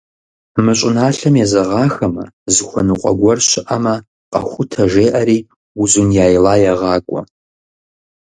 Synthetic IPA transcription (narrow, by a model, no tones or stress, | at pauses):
mɨɕʷʼɪnaːɬɐmjɛzɐʁɑːxɐmɐ̰zɨxʷɐ̰nuqʷʼɐ̰ɡʷɔrɕɪʔɐmɐ | qʼɐ̰xʷʊtʰɐʒeːʔɐɾiː | uzunjaːjlaːjɐʁɑːkʷʼɔ̰